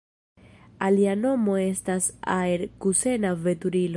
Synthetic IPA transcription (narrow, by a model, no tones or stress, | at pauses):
aliano̞mo̞e̞stasa̰eɾkuse̞nave̞tuɾilo